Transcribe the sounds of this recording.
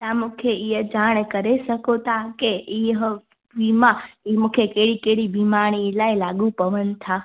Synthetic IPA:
amukʰeiəd͡ʒaɽ̃ekəɾeʃəkot̪akeiɦ | ʋimãimukʰjekeɽikeɽibimaɳ̃ilailaɡũpəʋənt̪ʰa

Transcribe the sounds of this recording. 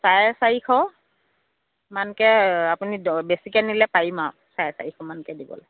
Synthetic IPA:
sajsaikʰɔ | mankɛapunibesikɛnilɛpaima | sajɛsa̰ɹikʰɔmankɛdibɔ̰lɛ

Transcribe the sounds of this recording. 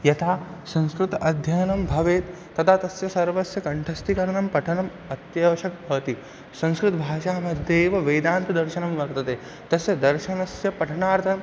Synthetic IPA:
jɐt̪ʰaːsɐ̃ŋskɾut̪ɐɐd̪ʱjɐjnɐmbʱɐʋeːt̪ːɐt̪ʰaːt̪ɐsjɐsɐɾʋɐsjɐkɐɳʈʰɐst̪ikɐɾɐɳɐmpɐʈʰɐnɐm | ɐt̪jɐʋɐʃɐk̚bʱɐʋɐt̪i | sɐ̃nskɾut̪ɐbʱaːʃaːmɐd̪ʱjeːʋɐʋɐjd̪aːnt̪ɐd̪ɐɾʃɐnɐmʋɐɾt̪ɐt̪eː | t̪ɐsjɐd̪ɐɾʃɐnɐsjɐpɐʈʰɐɳaːɾt̪ʰɐnɐm

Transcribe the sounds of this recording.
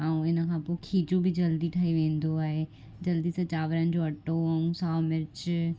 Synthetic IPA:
aːũɪn̆kʰãːpoːkʰiːd͡ʑobɪd͡ʑɐld̪iʈʰaːɦiʋẽːn̆d̪oaːɦe | d͡ʑɐld̪isɐt͡ɕaːʋɾənɪ̆d͡ʑoɐʈoɐũsaːmɪɾt͡ɕ

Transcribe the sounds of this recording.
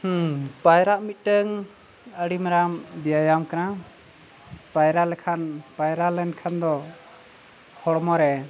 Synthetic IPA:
h̩pajɾaʔmit̪̚ʈəŋ | əɽimaɾambijajamkana | pajɾalɛkʰanpajɾalɛnkʰand̪ɔ | hɔɽɔmɔɾɛ

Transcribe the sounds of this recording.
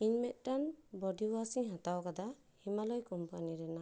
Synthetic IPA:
inmɛt̪̚ˀʈanbɔdiwasiŋɦat̪awkad̪a | himalɔjkɔmpaniɾɛna

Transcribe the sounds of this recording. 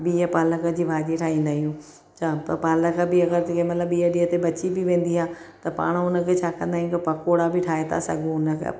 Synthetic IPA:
biːəpaːləkə̆d͡ʑiːʋʱaːd͡ʑieʈʰaːɦĩːnd̪aːɦijũː | t͡ɕʰaːpɐɾpaːləkə̆bɪɐɡəɾd͡ʑɪkʰemɐt̪ləbiːəɗiːɦət̪ebɐt͡ɕibɪʋẽːn̆d̪iɦaːt̪ɐpa̰ːɽ̃ʊnə̆kʰet͡ɕʰaːkɐ̃nd̪aːijũk̪ɐpɐkoːɽabɪʈʰaːɦet̪ʰa̰sɐ̰ɡʱũʊnə̆kḛ

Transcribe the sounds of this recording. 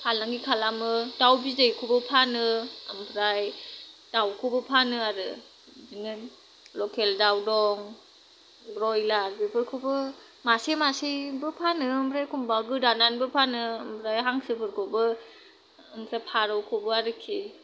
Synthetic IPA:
pʰalaŋɡikʰalamɯdawbizejkʰɔbɯpʰanɯambʰɾajd̥awkʰɔbɯpʰanɯaɾɯ | binɯ | lɔkʰeldawdɔŋ | bɾɔjlaɾbibɯɾkʰɔbɯ | masemasebɯpʰanɯɯmbʰɾajkʰumbaɡɯdananbɯpʰanɯɯmbʰɾajɦaŋsɯbʰɯɾkʰobɯ | ɯmsapʰaɾɔwkʰobɯaɾɯkʰi

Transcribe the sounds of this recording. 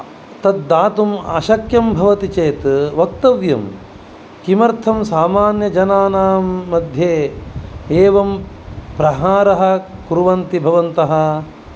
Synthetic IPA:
t̪ɐd̪ːaːt̪umɐ̰ʃɐkjɐmbʱɐʋɐt̪it͡ʃeːt̪ʋɐk̚t̪ɐʋjɐm | kimɐɾt̪ʰɐmsaːmaːnjɐd͡ʒɐnaːnaːmːɐd̪ʱjeː | eːʋɐm | pɾɐɦaːɾɐɦɐ̆kuɾuʋɐnt̪ibʱɐʋɐnt̪ɐɦɐ̆

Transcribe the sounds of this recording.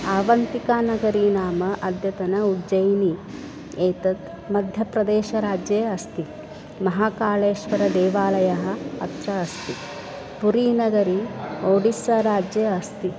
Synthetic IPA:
aːʋɐnt̪ikaːnɐɡɐɾiːnaːmɐʔɐd̪ʱjɐt̪ɐnɐud͡ʒɐjni | eːt̪ɐt̪ | mɐd̪ʱjɐpɾɐd̪eːʃɐɾaːd͡ʒjeːɐst̪i | mɐɦaːkaːleːʃʋɐɾɐd̪eːʋaːlɐjɐɦɐ̆ɐt̪ɾɐɐst̪i | puɾiːnɐɡɐɾioːɽisɐɾaːd͡ʒjɐɐst̪i

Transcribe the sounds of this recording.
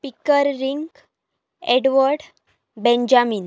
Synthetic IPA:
pikːəɾːiŋɡ | eɽʋəɾɖ | bẽnd͡ʑamiːn

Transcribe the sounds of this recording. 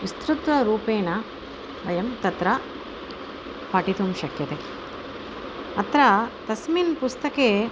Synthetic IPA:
ʋist̪ɾut̪ʋɐɾuːpeːnɐ | ʋɐjɐmt̪ɐt̪ɾɐ | pɐʈit̪umʃɐkjɐt̪e | ɐt̪ɾɐt̪ɐsminpust̪ɐkeː

